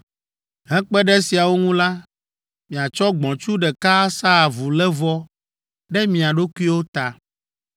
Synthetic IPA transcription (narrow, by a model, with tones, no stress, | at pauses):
ɦɛ̃˦k͡pɛ˦ɖɛ˦si˨a˨wo˦ŋũ˦la˦ | mĩ˨a˨t͡ʃɔ˦ɡ͡bɔ̃˨t͡ʃu˦ɖɛ˨ka˦sa˦˨vu˨lɛ˦vɔ˦ | ɖɛ˦mĩ˨a˨ɖo˦ku˦i˦wo˦t̪a˨